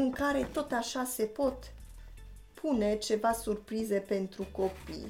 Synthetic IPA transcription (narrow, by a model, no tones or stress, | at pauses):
ɨŋkaɾe̞t̪o̞t̪aʃase̞po̞t̪ | pʰune̞t͡ʃe̞vasurpɾize̞pe̞nt̪ɾuko̞pḭj